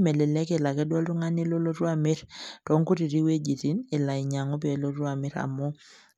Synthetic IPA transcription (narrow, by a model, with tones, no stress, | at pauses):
mɛ˨le˨lɛ˦ke˨la˨kɛ˦dwɔ˦ltu˦ŋa˦ni˦lo˦lo˦ɾwa˨mi˦ɾtɔ˨˦ŋku˦ti˨ɾi˦we˦d͡ʒi˨ti˦nɪ˨la˨i˨ɲa˨ŋo˦p̬lo˦ɾu˦a˨mi˦ɾa̰˨mɔ˦